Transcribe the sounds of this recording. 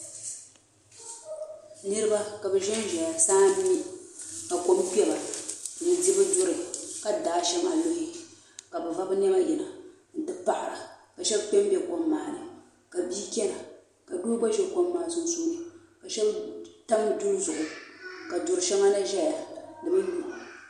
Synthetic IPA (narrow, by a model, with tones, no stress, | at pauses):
nɨ˦ɾɨ˦ba˦ka˨bɛ˨ʒɛ˦n˦ʒɛ˨ja˨saː˦nu˦ka˨ko˦mk͡pɛ˦ba˨nɨ˨˦di˦bɨ˦do˦ɾɨ˨ka˨daː˨˦ʃɛ˦ŋa̰˨lo˦hɪ˦ | ka˨bɨ˨va˦bɨ˦nɛ˦ma˦jɛ˨na˨ | n̩˨dɨ˦pa˨ʔa˨ɾa˨ka˨ʃɛ˦bk͡pɛ˦m˦bʲɛ˦ko˨˦mːaː˨nɨ̰˨ | ka˨biː˦kʲɛ˦na˨ | ka˨du˦ɡ͡ba˦ʒɛ˦ko˦mːaː˨sʊ˦n˦su˦nɨ˨ | ka˨ʃɛ˦bta˦mdu˦zʊ˨ʔʊ˨ka˨dʊ˨ɾɨ˨ʃɛ˦ŋa˦na˦ʒɛ˦ja˨dɨ˨bɨ˦ɲuː˦˨